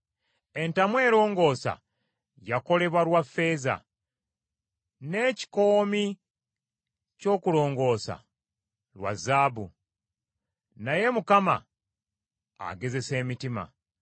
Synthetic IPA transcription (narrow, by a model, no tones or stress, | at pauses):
e̞ntamwe̞ːɾo̞ːŋɡo̞ːsa̰ | jako̞le̞βwaɾwafːe̞ːza̰ | ne̞ːci̥ko̞ːmi | co̞ːkuɾo̞ːŋɡo̞ːsa̰ | lwa̰zːaːbu | naje̞mukama̰ | ɡe̞ze̞se̞ːmitima̰